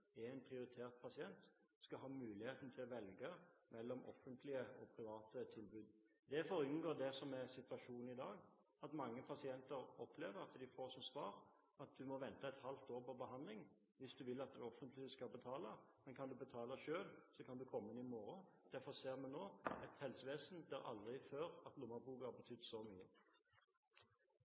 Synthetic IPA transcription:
ɛɛɪnpʰʁɪʊɾɪt̪ʰeːʁt̪̚pʰɑsɪɛnt̪ | skɑɦɑːmʉːlɪheːt̪n̩t̪ʰɪlɔʋɛlɡəmɛlːɔmɔ̰fːənt̪ʰlɪəɔ̰pʰɾɪʋɑːt̪ət̪ʰɪlbʉːd̪ | d̪ɛfɔɾɪnɡoːd̪ɛsɔmɛsɪt̪ʋɑʂuːnn̩ɪd̪ɑːɡ | ɑt̪mɑŋːəpʰɑsɪɛnt̪əɾɔpleːʋəɾɑt̪d̪ɪfoːsɔmsʋɑːɾ | ɑt̪̚d̪ʉmɔʋɛnt̪ɑɛt̪hɑlt̪̚d̪oːpɔbəɦɑnd̪lɪŋ | ʋɪsd̪ʉʋɪlːɑt̪̚d̪ɛɔfənt̪lɪskɑbət̪ʰɑːləmɛnkʰɑnd̪ʉbət̪ʰɑːləʃøːlsɔkʰɑnd̪ʉkʰɔmːəɪnɪmoːɾə | d̪̥æfɔʁseːʁmɛnnoːɛt̪hɛlsəʋeːsn̩d̪æɾɑ̰ld̪ʁɪføːɾɑt̪lʊməbuːɡəhɑbət̪ʰʏd̪ːsɔmyːə

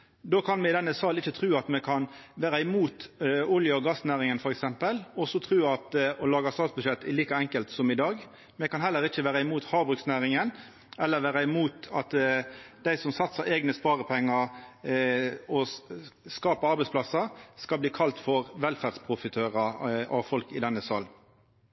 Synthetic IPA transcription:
d̪oːkʰɑnmɛɪd̪ɛnːəsɑlːɪçːət̪ʰɾʉːɑt̪mɛkʰɑnʋæːɾəɪmuːt̪ʊljəɔɡɑsnæːɾɪŋənfɔɾɛksɛmpəlɔsɔt̪ʰɾʉːɑt̪ɔlɑːɡɑst̪ɑːlsbʉʃɛt̪ːɪliːkɑɛŋkəlt̪sɔmɪd̪ɑːɡ | mɛkʰɑnhɛlːəɾɪçəʋæːɾɑɪmuːt̪hɑːbʁʉksnæːɾɪŋən | ɛlːəɾʋæːɾɑɪmuːt̪ɑt̪d̪æɪsɔmsɑt̪səɾʔeːɡnəspɑːɾəpʰɛŋːɑ | ɔ | skɑːpəɑɾbɛɪspʰlɑsɑskɑlbliːkʰɑlt̪fɔʁʋɛlfæʁdspʰɾʊfɪt̪ʰøːʁɑɑ̰ʋfɔlkɪd̪ɛnːəsɑ̰l

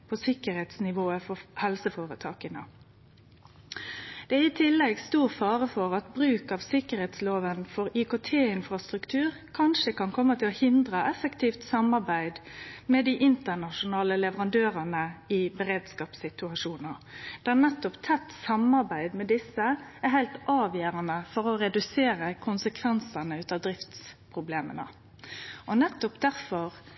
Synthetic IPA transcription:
pʰɔsɪkəɾhɛːt̪snɪʋoːəfɔhɛlsəfoːʁət̪ʰɑːkənə | d̪̥ɛæɾɪt̪ʰɪlːɛɡst̪uːʁfɑːʁəfɔʁɑt̪bɾʉːkɑʋsɪkəɾhɛt̪sloːʋənfɔʁiːkoːt̪ʰeːɪnfʁɑst̪ʁʉkt̪ʰʉːʁ | kʰɑnʃəkɑnkʰɔmːət̪ʰɪlɔhɪnd̪ʁəʔɛfəkt̪ʰiːft̪sɑmɑʁbæɪd̪mɛd̪ɪʔɪnt̪ənɑʃʊnɑːləlɛʋəʁɑnd̪øːɾənəɪbəɾeːd̪skɑːpsɪt̪ʉɑʂuːnəd̪̥æʁnɛt̪ːɔpt̪ʰɛt̪ːsɑmɑɾbæɪd̪mɛd̪ɪsːəæɾɦæɪlt̪ʔɑːʋjøːɾənəfɔɾɔɾɛd̪ʉseːɾəkʰʊnsəkʰʋɛnsənəʉːt̪ɑːʋd̪ɾɪft̪spʰʁʊbleːmə̰nə̰ | ʔɔnɛt̪ːɔpd̪æʁfɔɾ

